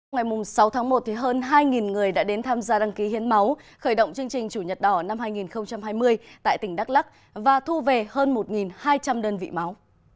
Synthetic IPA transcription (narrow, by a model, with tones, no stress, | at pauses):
ŋ͡mŋa˨˩jmʊ˨˩ŋ͡msa˨˦wt̪ʰa˨˦ŋmo˨˩t̚t̪ʰi˨˩ɦəː˧nɦaː˧jŋi˨˩nŋɨ˨˩əjɗa̰ː˧˥ɗe˨˦nt̪ʰaː˧mzaː˧ɗa˧ŋki˨˦hi˨˦ənma˨˦wxəː˧˩jɗə̰˧˨ŋ͡mt͡ɕɨ˧əŋt͡ɕï˨˩ŋ̟t͡ɕu˧˩ɲə˨˩t̚ɗɔ˧˩na˧mɦaː˧jŋi˨˩nxə˧wŋ͡mt͡ɕa˧mhaː˧jmɨ˧əjt̪a̰ː˧˨jt̪ï˧˩ŋ̟ɗa˦˥k̚la˦˥k̚ | vaː˨˩t̪ʰu˧ve˨˩həː˧nmo˨˩t̚ŋi˨˩nhaː˧jt͡ɕa˧mɗəː˧nvḭ˧˨ma˨˦w